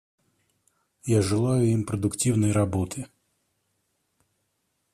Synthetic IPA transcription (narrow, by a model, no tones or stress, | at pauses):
jaʒɪlˠɑjʊjimpɾɔd̪ʊktʲiwnɔjɾɐbɔt̪ʰɪ